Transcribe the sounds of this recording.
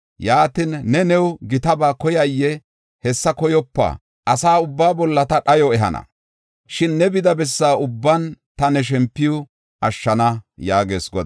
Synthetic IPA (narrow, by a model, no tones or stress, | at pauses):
jaːt̪inːɛnɛwɡɪt̪ɐbaːkɔjɐjːɛ | hɛsːɐkɔjɔpːa̰ | ʔɐsaːʊbːaːbɔlːɐt̪ɐᶑɐjɔɛɦɐ̰nɐ̰ | ʃɪnːɛbɪd̪ɐbɛsːaːʊbːɐnt̪ɐnɛʃ̬ɛmpːɪjʊ | ɐʃːɐnɐjaːɡe̞ːsɡɔd̪